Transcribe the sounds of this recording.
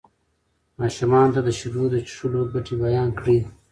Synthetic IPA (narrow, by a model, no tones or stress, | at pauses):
mɑːʃumɑːnt̪ad̪əʃuɾud̪ət͡ʃʂulobaʈibajɑːnkɽi